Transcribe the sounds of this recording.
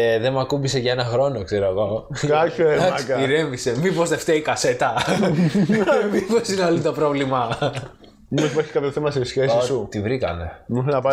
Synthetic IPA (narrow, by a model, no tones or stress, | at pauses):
ðemɐkumbise̞ʝɐe̞nɐxɾo̞nokse̞ɾoɐɣo̞ | kɐçoed̪ɐkmɐsikɐiɾevise̞mipost̪eft̪eikɐset̪ɐ | miposinɐlint̪opɾovlimɐ | mimosipɐɾçi̥kɐpçoθemɐsesçesiout̪ivɾikɐ̰ne̞mimusnɐpɐ